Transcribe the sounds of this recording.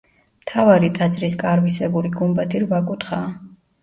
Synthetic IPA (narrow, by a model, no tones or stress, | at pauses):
mt̪ʰavaɾit̪ʼat̪sʼɾiskʼaɾvisɛbuɾiɡumbat̪ʰiɾvakʼut̪χaː